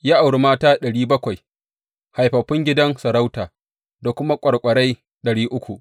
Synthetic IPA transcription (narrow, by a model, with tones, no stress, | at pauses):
jaː˦ʔa˨wɽu˨maː˦taː˦ɗɐ˨ɽiː˦bɐ˦kʷa˨j | ha˨jɸɐ˨ɸːɪ˦ŋɡʲɪ˦dɐ˦nsɐ˨ɾa˦wtaː˨ | da˨kʷʊ˦ma˦kʷʼɐ˨ɽkʷʼɐ˨ɽa˦j | ɗɐ˨ɽiː˦ʔʊ˦kʷu˨ʔ